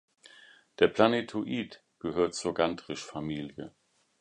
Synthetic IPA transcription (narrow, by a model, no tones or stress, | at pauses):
d̥eːɐpʰl̥anetʰoʔiːt | ɡ̥əɦøːɐtt͡suːɐɡantʁ̥ɪʃfamiːljə